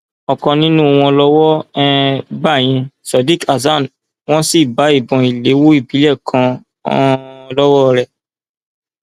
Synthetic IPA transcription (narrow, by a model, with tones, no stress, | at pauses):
ɔ˨kɔ̃˧nĩ˦nũ˦˨w̃ɔ̃˧lɔ˦wɔ˦ɛ˦ba˦˨j̃ɛ̃˧sɔ˨di˦ka˨za˦˨n | w̃ɔ̃˦si˦˨ba˨˦i˦˨bɔ̃˨i˨le˨˦wo˦i˦˨bi˨˦lɛ˦˨kʰã̰˧˦ | ɔ̃˧lɔ˦wɔ˦ɾɛ˨